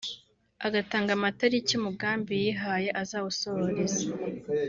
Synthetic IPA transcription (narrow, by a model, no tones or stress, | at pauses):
aɡataːŋɡamataɾicjumuɡaːmbijiɦaje̞ʔazaːβusohoɾeza